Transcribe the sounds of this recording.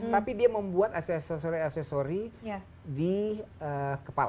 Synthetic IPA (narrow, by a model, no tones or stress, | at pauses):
t̪apidiaməmbuat̪asɛsosoɾiasɛsoɾi | diəkəpal